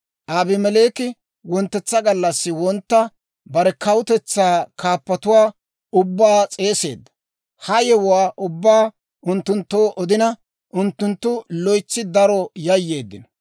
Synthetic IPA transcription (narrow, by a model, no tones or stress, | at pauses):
ʔaːbɪmɛle̞ːkɪ | wɔnt̪ːɛt͡sːɐɡɐlːɐsːɪwɔnt̪ːɐ | bɐɾɛkɐwʊt̪ɛt͡sːaːkʰaːpːɐt̪ʊwaː | ʊbːaːt͡sʼe̞ːse̞̰ːd̪ːɐ̥ | hɐjɛwʊwaːʔʊbːaː | ʔʊnt̪ːʊnt̪ːoːʔɔd̪ɪnɐ | ʔʊnt̪ːʊnt̪ːʊlɔjt͡sːɪd̪ɐɾɔjɐjːeːd̪ːɪ̰nɔ̥